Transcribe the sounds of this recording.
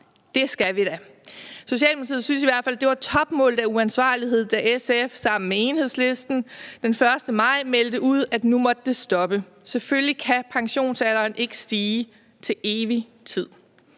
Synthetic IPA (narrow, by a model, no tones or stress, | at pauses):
d̥e̝sɡ̥æʋiɾ̥æ | so̝ɕɛ̰ːlmul̩it͡sʰið̩ˠsynsiʋæɐ̰d̥fæl̰d̥e̝ʋɑ̈t͡sʰɒ̽b̥mɔ̰̽ːlð̩ˠæuænsʋɑ̈ːliɦe̝ð̞̰̥ˠæʔesefsɑ̈m̰n̩mee̝ːnhe̝ðˠsle̝sd̥n̩d̥enfɶɐsd̥əmɑ̈ɪ̰meld̥əʔuð̞̰ˠæd̥numɒ̽d̥ə̥ːe̝sd̥ɒ̽b̥ə | seføllikʰæpʰɑ̈ŋɕo̝̰ːnsælɐːnʔe̝ɡ̥əsd̥iː | t͡sʰe̝lʔe̝ːʋi | t͡sʰið̰ˠ